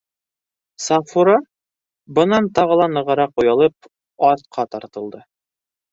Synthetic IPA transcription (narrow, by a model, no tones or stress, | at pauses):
sɑfuɾɑ | bɤ̆nɑnt̪ɑʁɤ̆lˠɑnɤ̆ʁɤ̆ɾɑqujɑlˠɤp̚ | ɑɾt̪̚qʰɑt̪ɑɾt̪ɤ̆lˠd̪ɤ